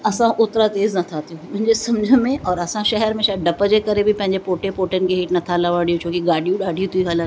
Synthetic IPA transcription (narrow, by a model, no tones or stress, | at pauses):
ɐsãʔʊt̪ɾat̪eːznɐt̪ʰat̪ijũmʊ̃ɦɪ̃ɲd͡ʑesɐmd͡ʑʱəmẽʔɔːɾɐsãʃɛɦɛɾmẽʃaɖɐpəd͡ʑekɐɾebʱipɐ̃ɦɪ̃ɲd͡ʑepoːʈepoːʈənɪ̆keɦeːʈnɐt̪ʰalaʋaːɽijõt͡ɕʰõːkiɡaːɖʱijũɗaːɖʱijũt̪ʰiiɦələ